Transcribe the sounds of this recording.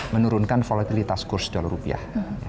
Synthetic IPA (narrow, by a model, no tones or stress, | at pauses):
mənuɾʊnkanfolat̪ilit̪askʊrsd̪̥ɔlaɾupia̰hja